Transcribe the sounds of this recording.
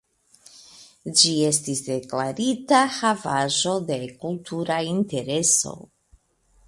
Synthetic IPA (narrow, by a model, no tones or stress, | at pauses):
d͡ʒie̞s̬tisde̞klaɾitahavaʒo̞de̞kultʰuɾainte̞ɾe̞so̞̰